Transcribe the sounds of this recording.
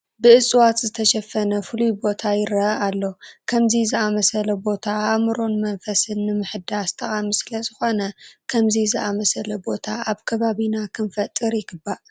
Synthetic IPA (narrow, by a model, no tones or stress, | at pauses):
bɨʔɨsʼwat̪zɨt̪ʰɐʃɐfɐnɐfɨlujbo̞t̪ʰajɪɾɐʔalːo̞kʰɐmzizɨʔamɐsɐlɐbo̞t̪ʰaamɨɾo̞nmɐnfɐsɨnːɨmɨħɨd̪ast̪ʰɐχʼamɨsɨlɐzɨxo̞nɐkʰɐmzizɨʔamɐsɐlɐbo̞t̪ʰaaβkʰɐβaβinakʰɨnfɐt̪ʼːɨɾjɪɡɨbaʔ